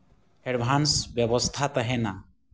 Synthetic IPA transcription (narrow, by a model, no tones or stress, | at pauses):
heɽbʱansbjɔbɔst̪ʰat̪aɦɛna